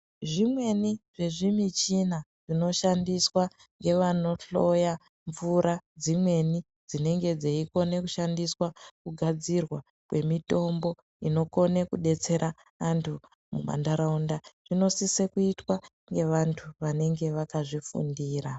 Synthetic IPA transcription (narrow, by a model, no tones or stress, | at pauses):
ʐimwe̞niʐ̥e̞ʐimit͡ʃinaʐ̥ino̞ʃandiswa | ŋɡe̞ʋano̞ɬoja | ɱvuɾad͡zimwe̞ni | d͡zine̞ŋɡe̞d͡zeiko̞ne̞kuʃandiswakuɡʱad͡zirwa | kwe̞mito̞mbo̞ | ino̞ko̞nekuɗe̞t͡se̞ɾa | antʰu | mṵɓa̰ndaɾaundaʐ̥ino̞sisekuitwa | ŋɡe̞ʋantʰuʋane̞ŋɡe̞ʋakaʐifṵndiːra